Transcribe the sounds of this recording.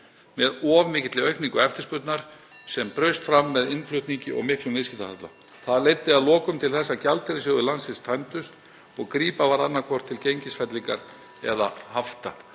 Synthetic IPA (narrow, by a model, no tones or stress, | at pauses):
mɛðɔːvmɪːcɪt̪lɪœɥhkniŋkʏɛft̪ɪspʏt̪naɾ̥ | sɛmpɾœɥst̪fɾamːɛðɪnflʏht̪niɲcɪʔɔ̰ɣmɪhklʏmvɪðscɪt̪ahat̪la̰ | θaðlejt̪ːɪaðlɔːkʏmt̪ʰɪlθɛsːacalt̪ɪɾɪsjœːwðʏlansɪst̪ʰajnt̪ʏst̪ | ɔɣkɾiːpavaɾanːakʰvɔr̥t̪ʰːɪlcejɲcɪsfɛt̪liŋka̰ɾ | ɛ̰ðahaft̪a̰